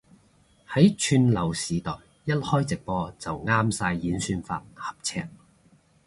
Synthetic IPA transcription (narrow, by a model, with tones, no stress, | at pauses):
hɐ˨˥jt͡ʃʰyː˧nlɐ˨˩wsiː˨t̪ɔː˨˩j | jɐ˥t̚hɔː˥jt͡sɪ˨k̚pɔː˧t͡sɐ˨wŋaː˥msaː˧jːiː˨˥nsyː˧nfa̰ː˧t̚hɐ̥˨p̚t͡sʰɛ̰ː˧k̚